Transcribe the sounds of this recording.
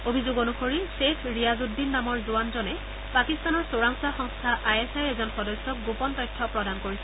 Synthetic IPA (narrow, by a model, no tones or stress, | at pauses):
obʱizoɡonuxoɹisekʰɹijazudːinːamɔɹzuwanzɔnɛ | pakist̪anɔɹsoɹaŋsaxɔŋst̪ʰaʔajesajɛzɔnxɔdɔsjɔk̚ɡupɔntɔjtʰːɔpɹɔdankoɹisɛ̥